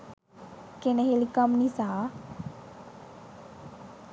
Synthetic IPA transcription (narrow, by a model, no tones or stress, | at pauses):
keneɦelikamnisa